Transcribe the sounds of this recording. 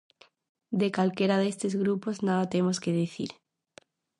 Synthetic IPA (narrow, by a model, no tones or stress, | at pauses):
d̪ekalkeɾaðest̪ezɣɾupoznaðat̪emoskeð̞iθḭɾ